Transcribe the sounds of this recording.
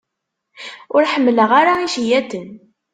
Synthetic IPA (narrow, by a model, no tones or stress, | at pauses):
ʊɾħəmːləʁaɾaiʃijæt̪ən